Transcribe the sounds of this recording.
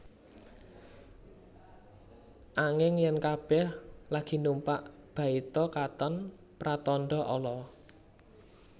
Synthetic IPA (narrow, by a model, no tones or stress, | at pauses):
ʔaŋɪŋjɛnkab̥ɛhlaɡ̥i̤numpaʔ | b̥ä̤it̪ɔkat̪ən | pɾat̪ɔnɖɔʔɔlɔ